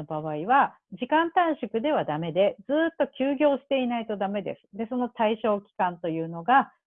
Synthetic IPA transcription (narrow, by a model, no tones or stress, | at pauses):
obaβaiβa | d͡ʑikãnt̪ãɰ̃ɕɨkɯ̟d̪e̞β̞ad̪ame̞d̪e̞d͡zɨːt̪ːo̞kʲɨːɡʲo̞ːɕi̥t̪e̞inait̪o̞d̪ame̞d̪e̞̰sɨ̥d̪e̞so̞no̞t̪aiɕo̞ːkʲi̥kãnt̪o̞jɯ̟ːno̞ɡa